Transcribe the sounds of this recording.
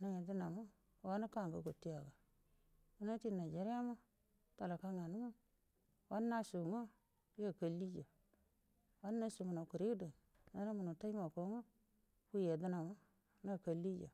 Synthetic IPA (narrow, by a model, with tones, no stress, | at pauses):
na˨ŋe˨di˦na˨mo˦ | wa˦na˦ka˦˨ŋɡa˨ɡo˨tːi˦ja˨ɡa˨ | u˦na˦ti˦˨na˨d͡ʒa˨ɾja˦ma˦ | ta˨la˨ka˦ŋa˨nu˦mo˦ | wʔa˦nːa˦su˨ŋo˦ | ja˦˨ka˨li˦d͡ʒa˨ | wa˦nː˦a˦su˨mu˨no˨ku˨ɾi˦do˨ | na˦na˦mu˨nu˨ta˦i˦ma˨ko˦ŋo˦ | ku˦je˨di˦na˨ma˦ | na˦˨ka˨li˦d͡ʒa̰˨